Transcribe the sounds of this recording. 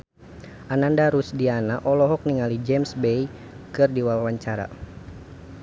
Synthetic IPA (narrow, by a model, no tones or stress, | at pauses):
ʔanandaɾusdianaʔɔlɔɦɔk̚niŋalid͡ʒɛmsbej | kɨrdiwalwaɲt͡ʃaɾa̰